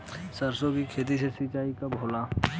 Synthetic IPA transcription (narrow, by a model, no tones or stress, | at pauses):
səɾsõkikʰeːt̪̬isesit͡ʃaːikabʱoːla